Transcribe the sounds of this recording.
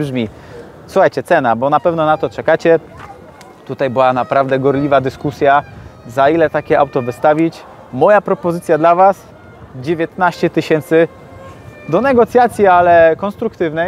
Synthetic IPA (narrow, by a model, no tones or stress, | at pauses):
bʐmʲi | suxajt͡ɕɛt̪sɛnabɔnapɛvnɔnat̪ɔt͡ʂɛkat͡ɕɛ | t̪ut̪ajbɘwanapɾavd̪ɛɡɔɾlʲivad̪ɘskusʲjazailɛt̪akʲɛʔawt̪ɔvɘst̪avʲit͡ɕ | mɔjapɾɔpɔzɘt̪sʲjad̪lavas | d͡ʑevʲjet̪naɕt͡ɕɛt̪ɘɕɛnt̪sɘ | d̪ɔnɛɡɔt̪sʲjat̪sʲjialɛkɔnst̪ɾukt̪ɘvnɛ